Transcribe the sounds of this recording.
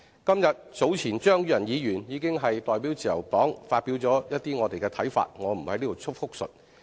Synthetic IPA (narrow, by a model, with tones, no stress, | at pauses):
kɐ˥mjɐ˨t̚t͡so˨˥wt͡sʰiː˨˩nt͡ʃœː˥ŋjy˨˧jɐ˨˩njiː˨˧jyː˨˩njiː˨˧kɪ˥ŋɦɐ˨jt̪ɔː˨jp̬iː˨˥wt͡siː˨˩jɐ̰˨˩wt̪ɔː˨˥ŋfaː˧t̚pi˨˥wt͡sɔː˨˥jɐ˥t̚t̪iː˥ŋɔː˨˧t̪e˨jkɛː˧t̪ʰɐ˨˥jfa̰ː˧t̚ŋɔː˨˧m̩˨˩hɐ˨˥jliː˥t̪wt͡sʰʊ˥k̚fʊ˥k̚sɵ̰˨t̚